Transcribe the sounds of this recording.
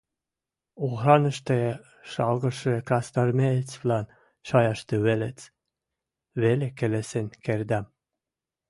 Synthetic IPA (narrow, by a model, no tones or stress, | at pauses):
uʁɾɑnə̆ʃt̪e | ʃɑlɣɤ̆ʃekɾɑst̪ɑrmet͡svlɑn | ʃɑjɑʃt̪ɤβelet͡s | βelekelesenkeɾd̪æm